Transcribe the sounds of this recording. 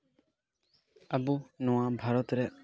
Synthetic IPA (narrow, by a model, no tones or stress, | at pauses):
abunɔ̃wabʱaɾɔt̪ɾɛʔ